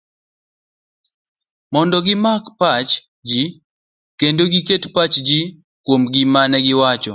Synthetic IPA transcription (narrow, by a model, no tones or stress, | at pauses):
mɔndɔɡɪmakpat͡ʃ | d͡ʒi | kendoɡiketpat͡ʃd͡ʒi | kwomɡɪmanɛɡɪwat͡ʃɔ